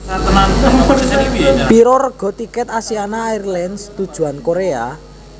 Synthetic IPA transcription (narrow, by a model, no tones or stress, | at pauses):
piɾɔrəɡ̥ɔ̤t̪ikɛt̪asianaːirlɛnst̪ud̥ʒ̥ṳankoɾea̰